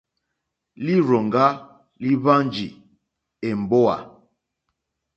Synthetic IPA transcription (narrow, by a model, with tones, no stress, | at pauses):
li˦ɾɔ˨ŋɡa˦ | li˦βa˦nd͡ʒi˨ | e˨m̩˨bo˦a̰˨